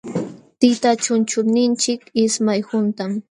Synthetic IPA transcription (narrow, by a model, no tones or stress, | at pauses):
t̪ɪt̪at͡ʃʊnt͡ʃʊnɪnt͡ʃɪkɪsmajhʊnt̪am